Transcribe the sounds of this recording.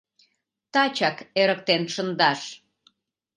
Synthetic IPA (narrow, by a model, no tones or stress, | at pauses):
t̪ɑt͡ɕɑkeɾək̚t̪enʃənd̪ɑʃ